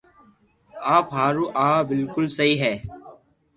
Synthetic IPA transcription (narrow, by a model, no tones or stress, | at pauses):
aːpɦaːɾuːʔaːbɪlkʊlsɐɦiːɦɛː